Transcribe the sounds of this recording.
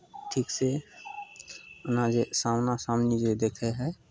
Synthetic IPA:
ʈʰiːkse | ʊnãd͡ʒesamnasamnid͡ʒed̪eːkʰɛɦɛː

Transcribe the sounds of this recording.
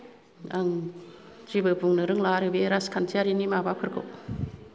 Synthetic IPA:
aŋ | d͡ʒibɯbuŋnɯɾɯŋlaɾɯbeɾaskʰantʰiaɾinimabapʰɯɾkʰɯ̰

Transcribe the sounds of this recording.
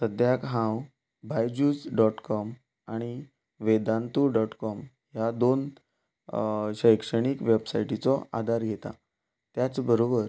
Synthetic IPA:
səd̪jakɦãw | bʱajd͡ʑuːd͡zɖɔʈkɔm | aɽ̃i | ʋed̪ãnt̪uɖɔʈkɔm | jad̪on | ɕəjkʂəɽ̃ikʋebsaiʈit͡sɔʔa̰d̪ʱaɾɡʱet̪a̰ | t̪jat͡sbəɾobəɾ

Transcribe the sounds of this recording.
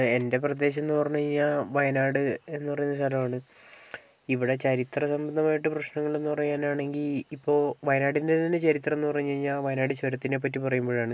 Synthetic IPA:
e̞nde̞prɐd̪e̞ːɕ̬ɐenːupɐrɐɲːueiɲːaʋɐjɐnaːɽɨe̞nːupɐrɐɲunːɐs̬t̪ʰɐlɐmaːɳɨ | iʋiɽe̞t͡ɕɐɾit̪rɐsɐmbɐnd̪ʱɐmaːjiʈ̬ːɨprɐɕnɐŋːɐɭe̞nːupɐrɐjaːnaːɳe̞ŋɡilipːo̞ːʋɐjɐnaːɽindet̪ɐnːet͡ɕɐɾit̪rɐe̞nːuɨpɐrɐjɲːɐiɲːaʋɐjɐnaːɽɨt͡ɕɐɾɐt̪ːine̞p̬ːɐtːipɐrɐjumboːɻaːɳɨ

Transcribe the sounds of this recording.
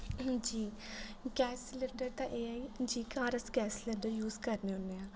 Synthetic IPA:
d͡ʒiːɡɛːslẽɳɖəɾt̪ãːʔeːɛːd͡ʒiːkaːɾəsɡɛːslẽɳɖəɾjuːzkəɾneonːeːãː

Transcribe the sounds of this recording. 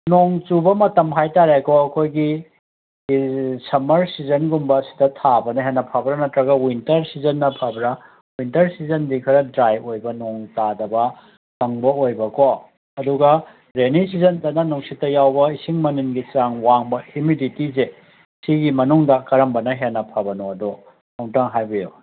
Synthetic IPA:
noŋt͡ʃubɐmɐtɐmɦajtaɾekoɐkʰojɡi | sɐmɐɾsizɐnɡumbɐsi̥tɐtʰabɐnɐɦenːɐpʰabɾɐnɐtɾɐɡɐwintɐɾsizɐnːɐpʰabɾɐ | wintɐɾsizɐndikʰɐɾɐdɾajojbɐnoŋtadɐbɐ | tɐŋbɐojbɐko | ɐduɡɐ | ɾenisizɐndɐnɐnuŋsitːɐjawbɐisiŋmɐniŋɡit͡ʃaŋwaŋbɐimiditize | siɡimɐnuŋdɐkɐɾɐmbɐnɐɦenːɐpʰabɐnoɐdo | nɐwŋtaŋɦajbijo

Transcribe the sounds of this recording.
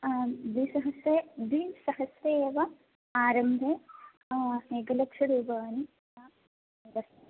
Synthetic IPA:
d̪isɐɦɐsɾeːd̪isɐɦɐsjeːʋɐ | aːɾɐmbʱe | eːɡɐlɐkʂɐɾuːbaːni | a | dɐs

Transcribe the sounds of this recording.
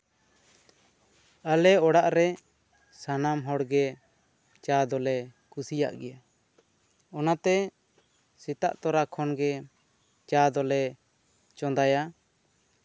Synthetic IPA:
alɛɔɽaʔɾɛ | sanamɦɔɽɡɛ | t͡ʃad̪ɔlɛkusija̰ʔɡɛja | ɔnat̪ɛ | sit̪a̰ʔt̪ɔɾakʰɔnɡɛ | t͡ʃad̪ɔlɛ | t͡ʃɔ̃nd̪aja

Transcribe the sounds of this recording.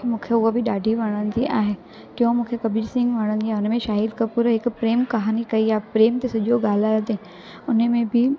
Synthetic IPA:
mũːkʰeʊɦobʱɪɗaːɖʱiʋɐɽ̃ən̆d͡ʑ̪iʔaːɦe | kjõmũːkʰekɐbiːɾsɪ̃ŋɡʋɐɽ̃ə̃nd͡ʑiaɦeʊnmẽʃaːɦid̪kəpuːɾɦɪkpɾeːmkɐɦaːnikɐijaːpɾeːmt̪esʊʄʱoɡaːlaːjod̪ẽ | ʊn̆mẽbʱɪ

